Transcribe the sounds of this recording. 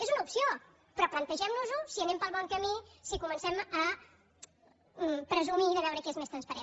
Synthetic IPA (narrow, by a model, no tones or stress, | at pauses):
ezunəupsio | pɾɔplənt̪əʒɛmnuzusiənempəlˠβɔŋkəmisikumənsɛmə | pɾəzumiðəβɛwɾəkezmest̪ɾənspəɾen